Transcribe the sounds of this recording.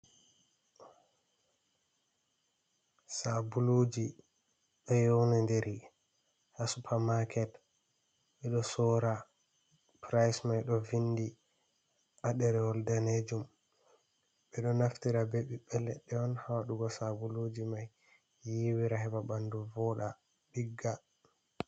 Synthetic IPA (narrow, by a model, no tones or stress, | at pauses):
sabulod͡ʒi | ɗɔjɔwnandeɾi | hasupʰamakʰɛt | ɓɛɗɔsɔɾa | pɾajsmajɗɔvinːdi | ʔaɗɛɾɛwɔldaned͡ʒum | ɓɛɗɔnaftiɾabeɓiɓɛlɛɗːɛɔnhawaɗuɡɔsabulod͡ʒimajː | iwiɾaɦɛbabanduvɔɗa | ɓiɡːa